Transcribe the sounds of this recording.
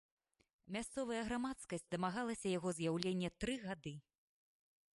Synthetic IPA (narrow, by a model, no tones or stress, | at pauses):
mʲast̪sɔvɐjɐɣɾamat̪skɐsʲt͡sʲd̪ɐmaɣalˠɐsʲɐjaɣɔzjawlʲenʲːɛt̪ɾɨɣad̪ɨ